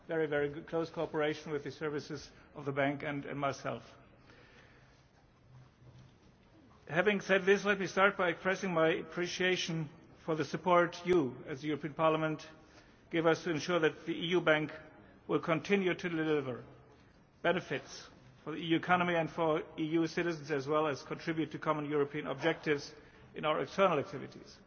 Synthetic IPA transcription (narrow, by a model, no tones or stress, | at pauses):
vɛɹivɛɹiɡkʰl̥oʊskʰoɑpə˞eɪʃn̩wɨðɨsɜ˞vɨsɨzʌvðəbæ̃ŋkɨ̃nɨ̰̃nmaɪsɛ̰lˠf | hævɪ̃ŋsɛd̪̚ðɪslɛt̚mistɑɹt̚b̥aɪɨkspɹ̥ɛsɪ̃ŋmaɪɨpʰɹ̥iʃieɪʃɨ̃n̩fə˞ðɨsɨpʰɔɹtjuɨzðɨjʊɹəpʰĩə̃npʰɑɹləmə̃nt | ɡ̥ɪvʌstʰɨɨ̃nʃʊɹðɨt̪̚ðiʔijubæ̃ŋk | wɪlˠkʰə̃ntʰɪ̃njʉɾʰɨdɪlɪvə˞ | b̥ɛnɨfɪts | fə˞ðiijʉɨkʰɑnəmiɨ̃ndfə˞ijusɪɾɨzn̩zɨzwɛlˠɨz̥kʰə̃ntʰɹ̥ɪbjʉtʰːɨkʰɑmə̃njʊɹəpʰiɨ̃nə̰b̚d͡ʒɛk̚tɪvz | ɨ̃naʊə˞ɨkstʰɜ˞nl̩ˠæk̚tʰɪvɨ̰tḭz̥